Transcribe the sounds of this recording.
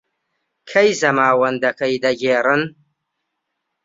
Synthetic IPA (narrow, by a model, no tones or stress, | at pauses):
kʰɐjzɐmaːwɐnd̪ɐkʰɐjd̪ɐɡeːrɨn